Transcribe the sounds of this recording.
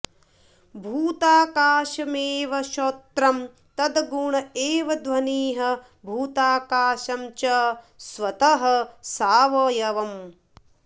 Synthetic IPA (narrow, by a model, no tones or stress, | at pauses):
bʱuːt̪aːkaːʃɐmeːʋɐʃoːt̪ɾɐm | t̪ɐd̪ɐɡuɳɐeːʋɐd̪ʋɐniːɦɐ | bʱuːt̪aːkaːʃɐmt͡ʃɐ | sʋɐt̪ɐɦɐ̆saːʋɐːjɐʋɐm